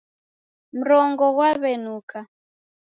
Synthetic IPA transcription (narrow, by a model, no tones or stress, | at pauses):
m̩ɾɔŋɡɔɣwaβɛnuka